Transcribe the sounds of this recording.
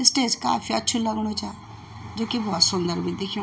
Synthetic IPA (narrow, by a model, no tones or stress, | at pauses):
ɪsʈeːska̰ːfʰiətːʃʰuləɡɽ̃oːt͡ʃaː | d͡ʒoːkibɔːt̪sʊ̃nd̪əɾbĩd̪ekʰõ